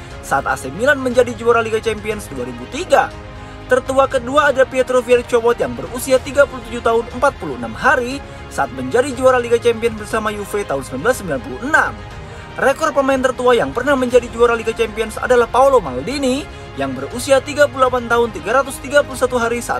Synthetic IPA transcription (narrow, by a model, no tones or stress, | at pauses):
saat̪̚a̰semilanməɲd͡ʒadid͡ʒuaɾaliɡat͡ʃɛmpiɔnsduaɾibut̪iɡa | t̪ərt̪uakəduaːdapiat̪ɾofiart͡ʃɔpɔt̪jaŋbərusiat̪iɡapuluht̪ud͡ʒut̪aɦʊnəmpat̪̚puluənamɦaɾi | saʔat̪̚məɲd͡ʒadid͡ʒuaɾaliɡat͡ʃɛmpiɔnsbərsamajufet̪aɦʊnsəmlanbəlasːəmbilanpuluənam | rekɔrd̚pəmaɪnt̪ərt̪uajaŋpərnahməɲd͡ʒadid͡ʒuaɾaliɡat͡ʃɛmpiɔnsa̰dalahpaulomaldini | jaŋbərusiat̪iɡap̬ululapant̪aɦʊnt̪iɡaɾat̪ust̪iɡapulusat̪uɦaɾisa̰ʔt̪̚